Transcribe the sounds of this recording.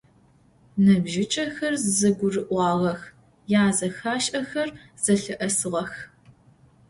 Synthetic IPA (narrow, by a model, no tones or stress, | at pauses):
nɐbʒɪt͡ʃʼɐxɐrzzɐɡʷʊrɨʔʷɑːʁɐx | jaːzɐxaːʃʼɐxɐr | z̥ɐɬɨʔɐsɨʁɐx